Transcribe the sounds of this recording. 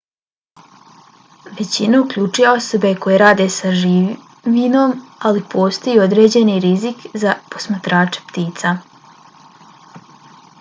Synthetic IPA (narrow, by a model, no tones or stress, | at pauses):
ʋe̞t͡ɕinaukʎut͡ʂujao̞so̞be̞ko̞je̞ɾaːd̪e̞saʒi | ʋinomalipo̞ːst̪ojuo̞d̪ɾe̞ːd͡ʑe̞niɾizikzapo̞̥smat̪ɾaːt͡ʂe̥pt̪iːt̪sa